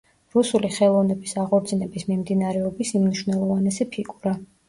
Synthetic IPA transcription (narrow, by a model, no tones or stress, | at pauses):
ɾusuliχɛlˠɔvnɛbisaʁɔɾd̪zinɛbismimd̪inaɾɛɔbisimniʃvnɛlˠɔvanɛsɛpʰiɡʼuɾa